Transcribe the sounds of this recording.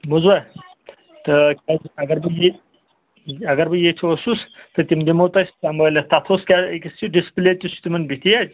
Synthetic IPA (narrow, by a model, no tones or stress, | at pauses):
muzwa | t̪ɨkʲaɐɡɐɾbɨje | ɐɡɐɾbɨjet͡ʃʰiosust̪ɨt̪ʲimd̪imowt̪ɐsʲt̪amɐlʲɐt̪ɐt̪ʰoːskʲakʲist͡ʃʰiɖispilʲeːt̪ʲusʰu̥t̪ʲimɐnbit̪ʲijadʲ